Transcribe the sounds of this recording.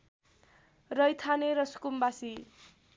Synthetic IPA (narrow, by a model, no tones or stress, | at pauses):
rʌjt̪ʰaneɾʌsu̥kumbasi